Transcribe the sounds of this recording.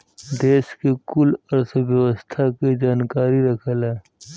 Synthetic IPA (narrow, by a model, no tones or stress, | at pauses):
d̪eːskekʊlɐɾsəbjɐwəst̪ʰaked͡ʒaːnkaːɾiɾɐkʰəleː